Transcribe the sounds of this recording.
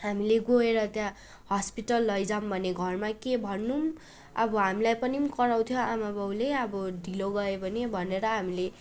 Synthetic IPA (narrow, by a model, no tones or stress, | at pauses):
ɦamileɡoeɾʌt̪jã | hʌspiʈʌlːʌjd͡zambʱʌneɡʱʌrmakebʱʌnːum | ʌbʌɦamilajpʌnimkʌɾaw̃t̪ʰjoamabʌwleʌbʌɖʱiloɡʌebʱʌnebʱʌneɾʌɦamile